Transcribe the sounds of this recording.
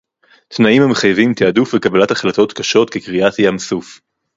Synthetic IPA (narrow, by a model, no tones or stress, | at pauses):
t̪naimhameχajvimt̪eadufvekabalataχlat̪o̞t̪kaʃo̞t̪kekʁiat̪jamsuf